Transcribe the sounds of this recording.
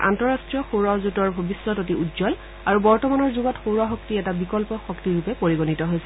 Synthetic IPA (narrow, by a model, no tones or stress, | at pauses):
ʔa̰ntɔɹastɹijɔxowɹazutɔɹbʱobisːɔtotiʔudzɔl | aɹubɔɹtɔmanɔɹzuɡɔtxoɹaxɔktiɛtabikɔlpɔxɔktiɹupɛpoɹiɡonitɔɦojsɛ